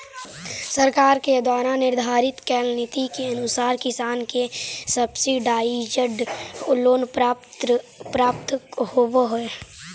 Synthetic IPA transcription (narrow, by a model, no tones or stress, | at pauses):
səɾkaːɾked̪waːɾãnɪɾd̪ʱaːɾɪt̪kɛːlnɪt̪ikeɐnʊsaːɾkɪsaːnkesəbsiɖaːid͡ʒəɖʊloːnt̪pɾaːp̚t̪hoboɦoe